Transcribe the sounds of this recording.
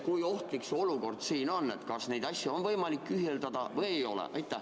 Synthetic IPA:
kujo̞ht̪likso̞luko̞rd̪̥siːno̞nːe̞t̪kɑsne̞jd̪̥ɑsʲjuo̞nvɤjmɑlikːyɦield̪ɑd̪̥ɑvɤjejo̞lɛ̰ʔɑ̰jt̪ːˑæh

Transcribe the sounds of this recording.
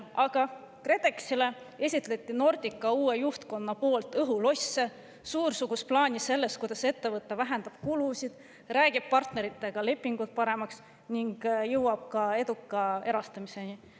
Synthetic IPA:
ʔɑɡ̥ɑ | kre̞t̪e̞ksile̞ | e̞sʲit̪ˑle̞t̪ʲːˑino̞rd̪̥ʲikːˑɑuːe̞juht̪ko̞nːɑpo̞ːlt̪ːˑɤɦulo̞sːe | suːɾsuɡ̥usplɑːnʲise̞lːest̪̚kujd̪̥ɑse̞t̪ːe̞vɤt̪ːˑevæɦe̞nd̪̥ɑb̥̚kulusid̪̥ | ræːɡ̥ib̥̚pɑrt̪ne̞ɾit̪ːˑe̞ɡ̥ɑle̞pːˑiŋɡut̪̚pɑɾe̞mɑks | niŋɡ̥jɤwɑb̥̚kɑe̞d̪̥ukːˑɑe̞ɾɑst̪ɑmise̞ni

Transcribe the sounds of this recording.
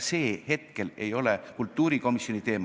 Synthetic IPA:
se̞ːhe̞t̪̚ke̞le̞jo̞lekult̪ːˑuːɾiko̞misjo̞nit̪e̞ːm

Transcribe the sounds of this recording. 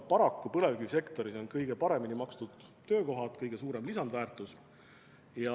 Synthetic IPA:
pɑɾɑkˑːupɤle̞vkɡyse̞kt̪o̞ɾiso̞nkɤjɡ̥e̞pɑɾe̞minimɑkst̪ud̪̥t̪ːø̞ːko̞ɦɑt̪kɤjɡ̥e̞suːɾe̞mlisɑnd̪væːrt̪ˑus | jɑ

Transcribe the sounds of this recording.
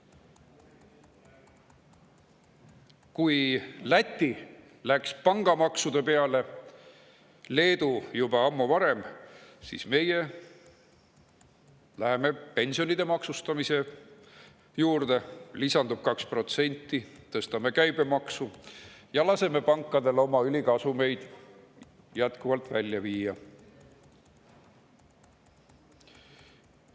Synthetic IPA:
kujlæt̪ʲːi | lækspɑŋɡ̥ɑmɑksud̪̥e̞pe̞ɑle̞ | le̞ːd̪̥ujubɑɑmːuvɑɾe̞msḭsme̞je̞ | læɦeme̞pe̞nʲsio̞nid̪̥e̞mɑksust̪ɑmise̞ | juːrd̪e̞lisɑnd̪ub̥̚kɑkspro̞t̪se̞nʲt̪ːit̪ɤst̪ɑme̞kæjb̥e̞mɑksujɑlɑse̞me̞pɑŋkːɑd̪e̞lo̞mɑylʲikɑsume̞jd̪̥ | jæt̪kuvɑlt̪ːˑvælʲjɑviːjɑ

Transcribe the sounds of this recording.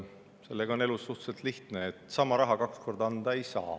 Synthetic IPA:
se̞lːeɡ̥ɑone̞lusːuht̪selt̪liht̪neːt̪ːˑsɑmɑɾɑɦɑkɑkskʰo̞rd̪ɑnd̪̥ɑe̞jsɑ̰ː

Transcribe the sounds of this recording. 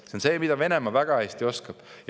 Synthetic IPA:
seonse̞ːmid̪̥ɑve̞ne̞mɑvæɡ̥ɑæsʲt̪io̞skɑb̥j

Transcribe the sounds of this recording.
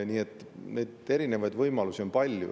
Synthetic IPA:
nʲiːe̞t̪ːˑ | ne̞ːd̪e̞ɾine̞vɑjd̪vɤjmɑlusio̞npɑlʲjṵ

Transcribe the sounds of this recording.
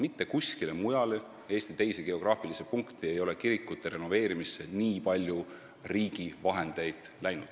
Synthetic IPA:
mit̪ːe̞kusʲkile̞mujɑle | e̞ːst̪it̪e̞jse̞ɡ̥e̞o̞ɡ̥rɑːfilise̞puŋkt̪ie̞jo̞le̞kiɾikːˑut̪ːˑe̞ɾe̞no̞ve̞ːɾimisːe̞niːpɑlʲju | riːɡ̥ivɑɦe̞nd̪̥e̞jd̪̥læjnud̪̥

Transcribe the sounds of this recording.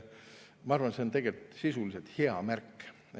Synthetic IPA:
mɑɑrvɑnse̞ont̪e̞ɡelt̪sisuliset̪heɑmærkː

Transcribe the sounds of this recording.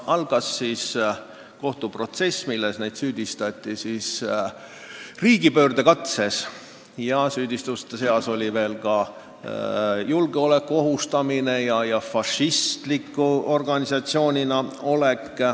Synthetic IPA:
ɑlɡ̥ɑsːiːs | ko̞ht̪upro̞t̪se̞sːmilːe̞snejd̪̥syːd̪̥ist̪ɑt̪ːˑisiːs | riːɡipø̞ːrd̪̥e̞kɑt̪se̞s | jɑsyːd̪ʲist̪ust̪ːese̞ɑso̞lʲive̞ːlkɑ | julɡ̥eo̞le̞kːuo̞ɦust̪ɑmine̞jɑjɑfɑʃist̪likːˑuo̞rɡ̥ɑnʲisɑt̪sio̞ːnʲinɑo̞le̞k

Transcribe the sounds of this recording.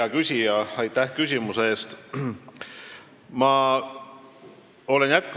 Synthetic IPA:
ɑkysʲijɑɑjt̪ˑːæhkysʲimuseeːst̪ | mɑ | o̞le̞njæt̪̚k

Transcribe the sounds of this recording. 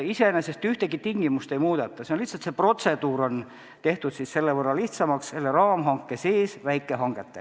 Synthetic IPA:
isenese̞st̪yht̪eɡit̪iŋɡ̥imust̪ejmuːd̪et̪ːˑɑseonliht̪sɑlt̪sepro̞t̪se̞d̪̥uːɾo̞n | t̪e̞ht̪ud̪sisse̞lːevɤrːɑliht̪sɑmɑkse̞lːeɾɑːmɦɑŋkːˑeseːsvæjkːˑeɦɑŋɡ̥et̪ːe

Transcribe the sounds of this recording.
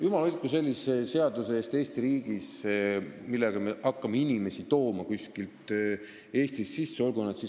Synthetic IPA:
jumɑlylʲt̪̚kus̬e̞lʲːisese̞ɑd̪useeːst̪e̞ːst̪iɾiːɡ̥is | milːeɡ̥ɑme̞ʔɑkːɑmeinime̞sit̪o̞ːmɑkusʲkilt̪ˑ | e̞ːst̪isːisːeo̞lɡunɑt̪si

